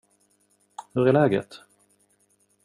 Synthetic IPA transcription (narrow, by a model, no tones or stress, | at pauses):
hɵɾælɛːɡə̰t̪